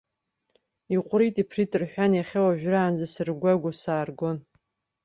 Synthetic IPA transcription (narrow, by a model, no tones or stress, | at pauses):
iqʷʼɾitʼipʰritʼɨrħʷᶣanjaχʲawaʒᶣraːnzasɨrɡʷaɡʷasaːrɡo̞n